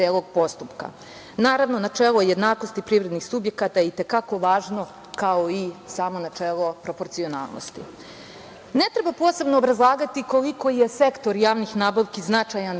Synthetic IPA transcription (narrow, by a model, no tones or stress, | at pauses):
eːlˠoɡ̚po̞st̪upka̰ | naːɾaʋnonat͡ʂeːlˠoje̞d̪naːko̞st̪ipɾiʋɾed̪nixsubje̞kat̪ajeit̪e̞kako̞ʋaːʒno̞ | kaoisaːmo̞nat͡ʂeːlˠopɾo̞po̞ɾt̪sio̞na̰ːlˠnʔo̰st̪ḭ | ne̞t̪ɾe̞bapo̞ːse̞bnoːbɾazlˠaːɡat̪iko̞liko̞jese̞kt̪o̞ɾjaːʋnixnaːbaʋkiznat͡ʂajan